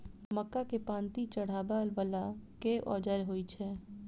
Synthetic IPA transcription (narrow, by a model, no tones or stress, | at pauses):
məkːakepãːnt̪it͡ʃəɽ̤aːbalbəlakeʔɔ̰ːd͡ʒəɾɦoːit͡ʃʰɛː